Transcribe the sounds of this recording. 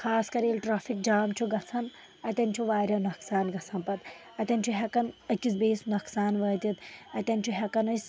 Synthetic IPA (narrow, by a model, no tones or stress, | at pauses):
xʰaːskɐɾeːlʲʈɾaːfik̚d͡ʒaːmt͡ʃʰuɡɐt͡sʰɐn | ɐt̪ʲɐnʲt͡ʃʰuʋaːɾʲɐnɐksaːnɡɐt͡sʰɐnpɐt̪ | ɐt̪ʲɐnʲt͡ʃʰuɦʲɛkɐnɐkʲisbeːsnɐksaːnʋɐːt̪ʲit̪ɐt̪ʲɐnʲt͡ʃʰuɦʲɛkɐnɐsʲ